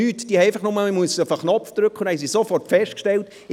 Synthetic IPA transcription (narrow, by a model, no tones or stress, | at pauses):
yːtd̥iːhɛeɪfaχnʊməəmuəsəfəχnɔpfd̪̥ɾʏkχəʊndæjs̬isofɔrtfɛʃtkʃtɛlt